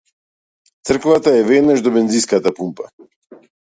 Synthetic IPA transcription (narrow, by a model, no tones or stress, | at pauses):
t̪sr̩kvat̪aɛvɛd̪naʒd̪ɔbɛnziskat̪apumpa